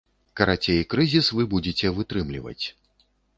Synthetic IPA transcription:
kɐɾat͡sʲejikɾɨzʲisvɨbud͡zʲet͡sʲɛvɨt̪ɾɨmlʲivɐ̰t͡sʲ

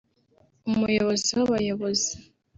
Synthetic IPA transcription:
umujoβo̞ziwoβajoβozi

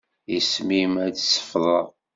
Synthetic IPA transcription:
jismimæt͡ssə̥fðˤə

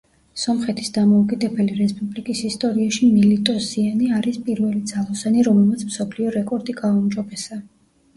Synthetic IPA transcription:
sɔmχɛt̪ʰi̥sd̪amɔukʼid̪ɛbɛliɾɛspʼublikʼisist̪ʼɔɾiaʃimilit̪ʼɔsianiaɾispʼiɾvɛlid̪z̥alˠɔsaniɾɔmɛlˠmat̪sʰmsɔpʰliɔɾɛkʼɔɾd̪iɡaumd͡ʒɔbɛsa

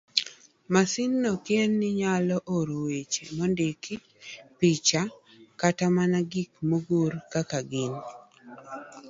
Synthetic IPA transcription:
masɪnːɔkjenːɪɲalɔʔoɾowet͡ʃḛmɔndekɪ | pit͡ʃakatamanaɡikmoɡoɾkakaɡin

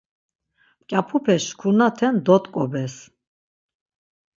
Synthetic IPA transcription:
kʼapʰupʰɛskʰunat̪ʰɛnd̪ɔt̪kʼɔbɛs

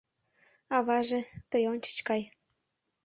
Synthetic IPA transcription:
ɑβɑʒet̪əjont͡ɕə̥t͡ɕkɑj

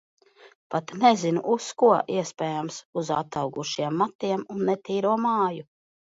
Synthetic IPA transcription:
pat̪nɛzinṵʔuskuɔʔiɛspɛːjamsuza̰t̪awɡuʃiɛmːat̪iɛmunːet̪iːɾuɔmaːju

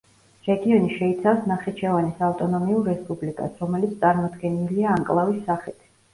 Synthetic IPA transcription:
ɾɛɡiɔniʃɛit̪sʰafsnaχɛt͡ʃʰɛvanisaft̪ʼɔnɔmiuɾːɛspʼublikʼa̰sɾɔmɛlit̪sʰt̪ʼaɾmɔd̪ɡɛniliaːŋkʼlˠavisːaχit̪ʰ

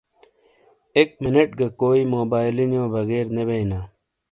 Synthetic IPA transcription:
ekmɪneʈɡɐkoːiːmoːbaːjlinjõːbɐɣeːɾnebeinaː

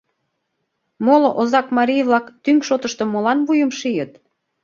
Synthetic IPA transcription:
moloʔozɑkmɑɾijβlɑkt̪yŋʃot̪ə̆ʃt̪ŏmolɑnβujə̆mʃijət̪

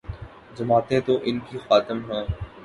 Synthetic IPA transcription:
zɐmaːt̪ẽt̪oːʔɪnkixaːt̪ɪmɦãː

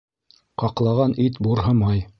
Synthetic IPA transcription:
qɑqlˠɑʁɑnit̪buɾɦɤmɑj

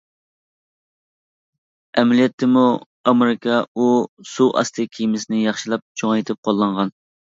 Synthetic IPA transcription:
ɛmɛlijɛt̪ʰːɪmu | ɑmeɾɪkʰɑusuʔɑ̰st̪ʰɨkʲʰijmɪsɪnɪjɑχʃilˠɑp̚t͡ʃʰoŋɑjt̪ʰɪp̚qʰolˠːɑɴʁɑn

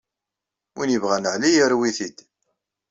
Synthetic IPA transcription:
injəvʁænʕlijəɾwiθid̪

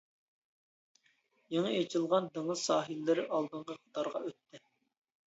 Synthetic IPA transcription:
jeŋəet͡ʃʰɪlˠʁɑnd̪ɨŋəzsɑːɦilːɪɾɪʔɑlˠd̪əɴqʰəqʰə̥t̪ɑɾʁɑ̰ʔøt̪ːɪ

